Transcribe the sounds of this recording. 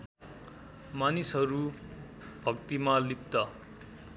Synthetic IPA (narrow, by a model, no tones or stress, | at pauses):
manisɦʌɾu | b̥ʱʌkt̪imalip̚t̪ʌ